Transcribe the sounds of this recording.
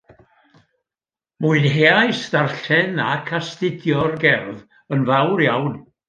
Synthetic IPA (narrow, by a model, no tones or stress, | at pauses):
muɨnɦeajsdarɬɛnakʰastɪdjɔrɡɛrð | ənvawɾjawn